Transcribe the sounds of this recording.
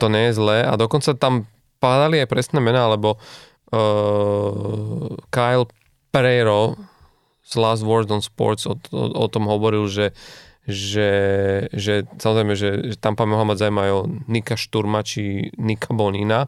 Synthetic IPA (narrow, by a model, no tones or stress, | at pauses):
t̪ɔɲɛjɛzlɛːʔa̰d̪ɔkɔnt͡sat̪am | pad̪aliajpɾɛsnɛːmɛnaalɛbɔ | kajl | pɾɛɾɔ | slazʋɔɾzɔnspɔ̰ɾzɔ̰ɔ̰t̪ɔmɦɔʋɔɾilʒɛ | ʒɛ | ʒɛsamɔzɾɛɪjmɛʒɛʒɛt̪ampanmɔɦlamaɟzaʊumɛajɔnikaʃt̪uɾmat͡ʃinikʰabɔɲina